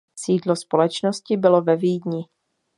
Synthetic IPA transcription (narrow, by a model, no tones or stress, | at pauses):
siːdlospolɛt͡ʃnoscɪbɪlovɛviːdɲɪ